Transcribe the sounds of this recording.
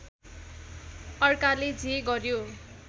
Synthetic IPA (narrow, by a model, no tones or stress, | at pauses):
ʌrkaled͡zʱeɡʌrjo